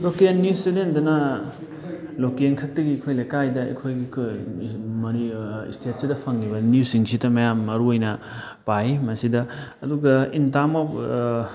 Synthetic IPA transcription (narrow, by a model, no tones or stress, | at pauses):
lokenːjusidendɐnɐ | lokenkʰɐk̚tɐɡikʰojlɐjkajdɐḛkʰojɡikʰ | mɐɾiḭstʰet̚sidɐpʰɐŋːibɐniusiŋsidɐmɐjamːɐɾuojnɐ | pajimɐsidɐːduɡɐintamop